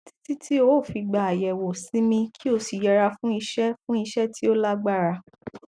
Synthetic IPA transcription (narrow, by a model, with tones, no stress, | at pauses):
ti̥˦ti˦tʰi˦o˨˦˨fi˧ɡ͡ba˨a˨jɛ˨wo˨sĩ˨˦mĩ˧kʰi˦o˧si˨jɛ˧ɾa˧fũ˦i˧ʃɛ˦fũ˦i˧ʃɛ˦tʰi˦o˦la˦ɡ͡ba˦˨ɾa˧